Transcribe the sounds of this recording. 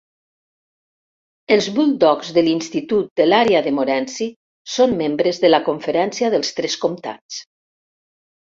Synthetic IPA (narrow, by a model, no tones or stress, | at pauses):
əlˠzβuld̪ɔkzðəlinst̪it̪ut̪̚d̪əlaɾeaðəmoɾɛnsi | somːembɾəzðəlakoɱfəɾɛnsiaðəlˠst̪ɾɛskomt̪a̰t͡s